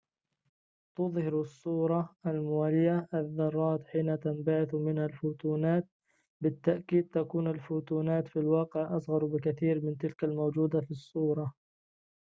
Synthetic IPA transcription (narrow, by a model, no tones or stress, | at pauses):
t̪ʊðˤhɪɾsˤːuːɾˤɑalmʊwaːlɪjaʔaðːɑrˤːɑːt̪ħiːnat̪ambaʕɪθmɪnhalfuːt̪uːnaːt̪̚ | bɪt̪ːaʔkiːd̪̚t̪akuːnalfuːt̪uːnaːt̪filwɑːqɪʕʔɑsˤɣɑɾˤbɪkaθiːɾmɪnt̪ɪlkalmowd͡ʒuːd̪afisˤːuːɾˤɑ